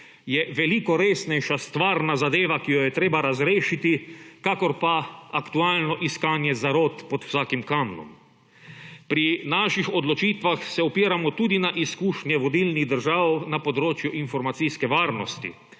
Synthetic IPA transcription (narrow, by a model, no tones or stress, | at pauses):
jɛʋɛlikɔɾeːsnɛjʃast̪ʋaːɾnazad̪eːʋakijɔjɛt̪ɾeːbaɾazɾeːʃit̪ikakɔɾpaakt̪uaːlnɔʔiskaːnjɛzaɾoːt̪pɔt̪w̥saːkimkaːmnɔ̰m | pɾinaːʃixɔd̪lɔt͡ʃiːt̪ʋaxsɛɔpiːɾamɔt̪uːd̪inaʔiskuːʃnjɛʋɔd̪ilniɣd̪əɾʒaːwnapɔd̪ɾoːt͡ʃjuʔinfɔɾmat̪siskɛʋaːɾnɔst̪ḭ